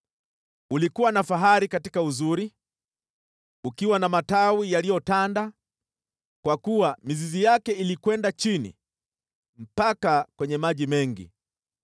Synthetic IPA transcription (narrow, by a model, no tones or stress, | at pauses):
ulikuwanafaɦaɾikatikauzuɾi | ukiwanamatawijalijɔtanda | kwakuwamizizijakɛilikwɛndat͡ʃinḭ | m̩pakakwɛɲɛmaʄimɛŋɡḭ